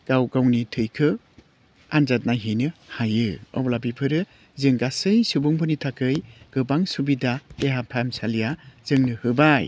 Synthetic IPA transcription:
ɡ̥awɡawnitʰɯjkʰɯ | anzat̚najɦinɯhajɯɔ̰wlabipʰɯɾɯ | zɯŋɡasɯjsubuŋbɯnitʰakɯjɡ̥ɯbaŋsubidaeɦapʰamsalijaz̥ɯŋnɯhɯbaj

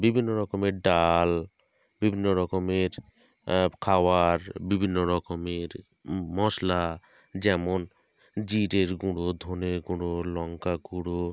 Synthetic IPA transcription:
bibʱinːoɾɔkomeɾɖal | bibʱinːoɾɔkomeɾ | kʰawaɾbibʱinːoɾɔkomeɾ | mɔsla | d͡ʑɛmon | d͡ʑiʈeɾɡuɽod̪ʱoneɾɡuɽolɔŋkaɡuɽo

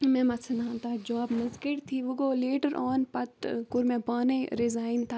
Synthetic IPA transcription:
mɛ̃mɐsɐnãːnt̪ʰad͡ʒɔːbmɐzkɪʈt̪ʰiʋuɡoːleːʈəɾʔɔːnpɐt̪kʊɾmɛ̃paːneɾɪzaːɪnt̪ʰaː

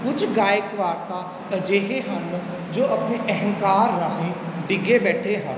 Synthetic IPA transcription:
kʊt͡ʃʰɡaːjəkʋaːɾt̪a | ɐd͡ʒeːɦeɦɐ̃n | d͡ʒoːʔɐpneʔɛɦɛ̃ŋkaːɾːaɦẽɖɪɡebɛːʈʰeɦɛ̃ː

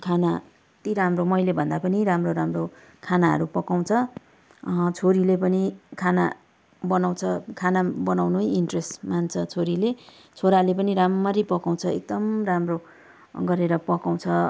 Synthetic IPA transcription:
kʰana | t̪iɾamromʌjlebʱʌnd̪apʌniɾamroɾamro | kʰanaɦʌ̰ɾupʌkaw̃t͡sʰʌ | t͡sʰoɾilepʌnikʰana̰ | bʌnaw̃t͡sʰʌkʰanabʌnawnujiɳʈresmant͡sʰʌt͡sʰoɾile | t͡sʰoɾalep̬ʌniɾamːʌɾipʌkaw̃t͡sʰʌek̚d̪ʌmramro | ɡʌɾeɾʌpʌkaw̃t͡sʰʌ

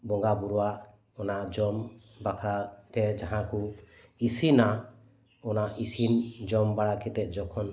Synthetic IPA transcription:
bɔŋɡabuɾuwaʔ | ɔnaʔd͡ʒɔm | bakʰɾat̪ɛd͡ʒaɦãku | isina | ɔnaʔisind͡ʒɔmbaɽakɛt̪ɛʔ̚ˀd͡ʒɔkʰɔn

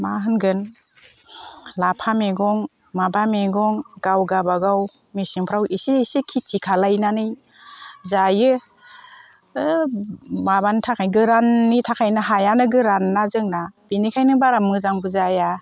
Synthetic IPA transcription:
maɦɯnɡɯn | lapʰameɡɔŋ | mabameɡɔŋɡawɡabaɡaw | mesiŋpʰɾawʔisiːsikʰitʰikʰalajnanɯj | zajɯ | ɯ | mabantʰakʰajɡɯɾanːitʰakʰajnɯɦajanɯɡɯɾanːazɯŋnab̥inikʰajnɯbaɾamɯzaŋbɯzaja

